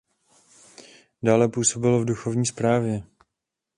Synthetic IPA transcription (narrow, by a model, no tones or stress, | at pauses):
daːlɛpuːso̞bɪlovduxo̞vɲiːspɾaːvjɛ